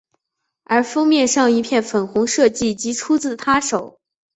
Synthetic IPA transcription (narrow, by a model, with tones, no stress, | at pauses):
ə˞˧˥fɤ˥ŋmjɛ˥˧nʂɑ˥˧ŋi˧˥pʰjɛ˥˩nfə˨˩nxʊ˧˥ŋʂɤ˥˧t͡ɕi˥˩t͡ɕi˧˥t͡sʰu˥t͡sɹ̩˥˩t̪ʰa˥ʂo˨˩˦ʊ